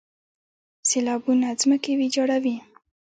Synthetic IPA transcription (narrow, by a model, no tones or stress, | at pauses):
selɑbunazməkewid͡ʒɑɽawi